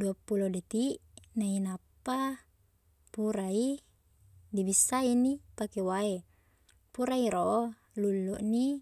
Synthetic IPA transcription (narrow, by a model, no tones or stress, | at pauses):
duapulodet̪iʔ | nainapːa | puɾai | dibisːainipakewae | puɾaiɾoʔo | lulːuʔni